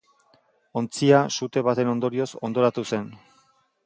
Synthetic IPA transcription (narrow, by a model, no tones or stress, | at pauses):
o̞nt͡siasut̪e̞βat̪e̞no̞nd̪o̞ɾio̞so̞nd̪o̞ɾat̪use̞n